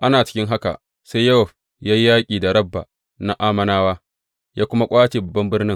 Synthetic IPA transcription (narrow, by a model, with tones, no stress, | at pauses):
ʔa˦naː˨t͡ʃɪ̥˦kʲɪ˦ŋɦa˦ka̰˨ | se˦jɐ˦sɔ˨ɸ | jaː˦ji˦jaː˦kʲʼiː˨da˨ɾɐ˦bːa̰˨ | na˦ʔaː˦mɐ˦naː˦waː˦ | jaː˦kʷʊ˦ma˦kʷʼaː˦t͡ʃeː˨bɐ˨bːɐ˦mbɪ˦rnɪ˦ŋ